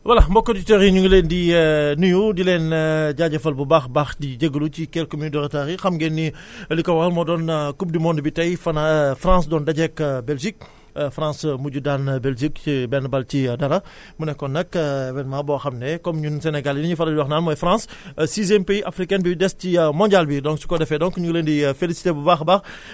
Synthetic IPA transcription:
wɐlɐmbɔkːɔditɛɾiɲuŋleːndinujudilɛnɟaːɟɐfɐlbubaːxbaːxdiɟɐɡəlucikɛːlkomindɔɾɐtaɾixɐmɡɛnːilikɐwɐlmɔdɔnkup̚dimɔndbitɐjfɐnɐfɾãːsdɔːndɐɟɛkbɛlʒik̚ | fɾãːsmuɟudanbɛlʒikibɛnbɐlcidɐɾɐ | munɛkːɔnɐkbɛnmaːbɔxɐmnɛkɔmɲunsɛnɛɡalinɐɲufɐlɐwɐxnaːnmɔjfɾãːssizɛmpeiʔafɾikɛnbidɛscimɔ̃ːɲɟalbidɔ̃ŋksu̥kɔdɛfɛdɔ̃ŋkɲuɡleːndifelisi̥tebubaːxbaːx

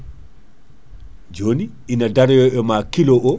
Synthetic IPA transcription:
d͡ʒoniʔinadaɾjɔʔɔmakiloʔɔ

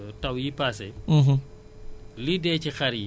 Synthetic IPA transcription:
tawjipasɛɦ | lidɛːt͡ʃixaɾji

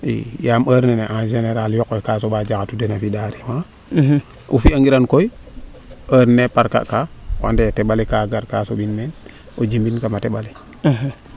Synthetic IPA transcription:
ḭjaməːɾneneʔãd͡ʒeneɾaljɔkːokasoɓad͡ʒakatudenafidaɾima | ʔṵfiaŋɡiɾankoj | əɾnepaɾka̰ʔkawa̰ndeteɓalikaɡaɾkasobinmen | od͡ʒimbinkamateɓali

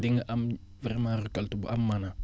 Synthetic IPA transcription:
diŋʔam | viɾmaɾukaltubṵʔamːana

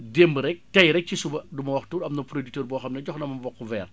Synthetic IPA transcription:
dembɾɛk̚tɐjɾɛk̚cisubɐdumɐwɐxtuːɾɐmnɐpɾodik̚təːɾbɔːxɐmnɐɟɔxnɐmɐmbɔkːuvɛːr

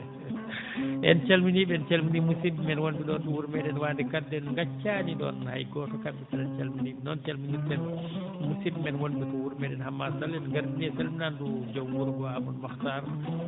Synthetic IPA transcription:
ʔɛ̰nt͡ʃalminiɓɛnt͡ʃalminimusibmɛnwonduɗɔnduwuɾmɛdɛnwandɛkadːɛnŋɡat͡ʃːaniɗɔ̰nha̰jɡɔtɔkabːisanant͡ʃalminibɛnɔnt͡ʃalminitɛn | musibmɛnwondutɔwuɾmɛɗɛnhamːasalɛnɡaɾbiniɛsalminandud͡ʒowwuɾɡɔamunmaxtaɾ

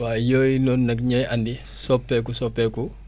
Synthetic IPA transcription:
waːjojinɔnnɐkɲajandi | sɔpːɛkusɔpːɛku

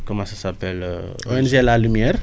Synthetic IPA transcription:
komãsasapɛl̰o̰ɛnʒeɛlalymjɛɾ

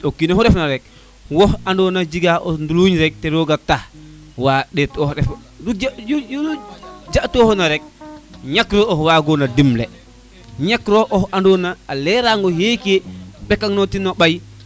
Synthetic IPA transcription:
okːinɔhɔɾɛfnaɾɛk̚ | wɔhandɔnad͡ʒiɡaʔɔnduluɲɾɛk̚tɛɾɔɡatah | waɗɛtɔhdɛf | d͡ʒjj | d͡ʒaʔtɔhɔnaɾɛk̚ɲakɾɔɔhwaɡɔnadimlɛ | ɲakɾɔʔɔhandɔnaːlɛɾaŋɡɔhekeɓɛkaŋnɔtinɔɓaj

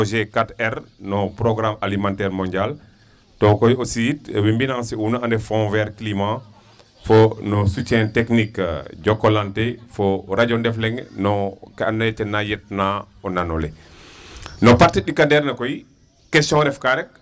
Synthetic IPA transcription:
ʒekatɛɾnɔpɾoɡɾamalimãntɛːɾmɔ̃ɲɟal | tɔkojositwimbinãsiunaandefɔ̃vɛɾklima | fonɔsut͡ʃɛ̃teknikɟɔkolantefoɾaɟɔndɛflɛŋnɔkɛanːt͡ʃɛnːajet̚na | ɔnanole | nɔpaɾtiɗikandɛɾnɐkoji | kɛstɔ̃nɾɛfkaɾɛk̚

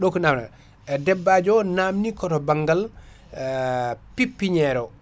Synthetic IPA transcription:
ɗɔkɔnamna̰ | ɛdɛbːad͡ʒɔnamnikɔtɔbaŋɡal | pipːiɲɛɾɔ

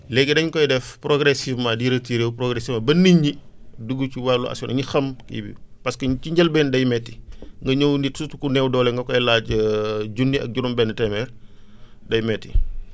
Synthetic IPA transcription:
lɛɡːɛdɐɲkɔjdɛfpɾɔɡɾɛsifmɐdiɾɐtiːɾewpɾɔɡɾɛsimɐbɐniɲːiduɡːuciwalːuɐ̰sɔnɐɲixɐmkḭbḭpɐskɐɲt͡ʃiɲɟɐlbɛndɐjmɛtːiŋɡɐɲɔwnitsutukunɛwdɔːlɛŋɡɐkɔjlaːɟɟunːiɐ̰k̚ɟuɾumbɛnːɐtɛmɛr | dɐjmɛtːi

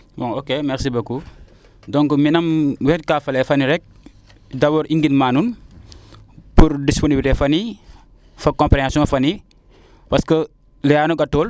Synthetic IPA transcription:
bɔŋokemɛɾsibɐkːu | dɔŋkminɐmwɛt̚kafɐlɛfɐniɾɛk̚ | dɐwɔɾʔiŋɡinmaːnun | puɾdisponibiltefɐni | fɐkɔ̃mpɾɛasɔŋɐfɐni | pɐskə | lɛaːnoɡɐtːoːl

